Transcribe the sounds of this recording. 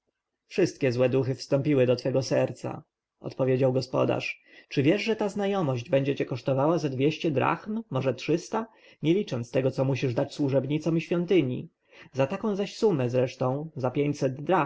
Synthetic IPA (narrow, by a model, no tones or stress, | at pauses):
fʂɘst̪̚kʲɛzwɛd̪uxɘfst̪ɔ̃mpʲiwɘd̪ɔt̪fɛɡɔsɛɾt̪sa̰ | ɔ̰t̪pɔvʲjed͡ʑawɡɔspɔ̰d̪a̰ʂ | t͡ʂɘvʲjɛʐʐɛt̪aznajɔmɔʑd͡ʑbɛɲd͡ʑɛt͡ɕɛkɔʂt̪ɔvawazad̪vʲeɕt͡ɕɛd̪ɾa̰xmːɔʐɛtʂɘst̪a | ɲelʲit͡ʂɔnt̪st̪ɛɡɔt̪sɔmuɕiʐd̪at͡ɕswuʐɛbɲit̪sɔ̃w̃iɕfʲjɔnt̪ɘɲḭ | zat̪akɔ̃w̃zaɕsumɛzɾɛʂt̪ɔ̃w̃zapʲjeɲt͡ɕsɛd̪ːɾa